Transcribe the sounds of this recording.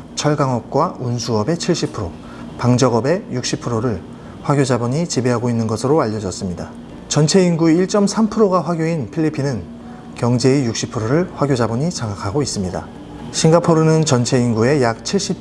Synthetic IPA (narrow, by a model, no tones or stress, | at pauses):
t͡ɕʰʌɭɡaŋʌp̚k͈waunsʰuʌbe̞t͡ɕʰiɭɕ͈ipʰɯɾo | paŋd͡ʑʌɡʌbe̞juk̚ɕ͈ipʰɯɾoɾɯɭ | ɸwaɡjod͡ʑabʌɲit͡ɕibe̞ɦaɡoinːɯnɡʌsʰɯɾoaʎːʌd͡ʑʌs͈ɯmɲida̰ | t͡ɕʌnt͡ɕʰe̞inɡueiɭt͡ɕ͈ʌmsʰampʰɯɾoɡaɸwaɡjoinpʰiʎːipʰinɯn | kjʌŋd͡ʑe̞ijuk̚ɕ͈ipʰɯɾoɾɯɭɸwaɡjod͡ʑabʌɲit͡ɕaŋakʰaɡois͈ɯmɲida̰ | ɕʰiŋɡapʰoɾɯnɯnt͡ɕʌnt͡ɕʰe̞inɡue̞jak̚t͡ɕʰiɭɕ͈ip̚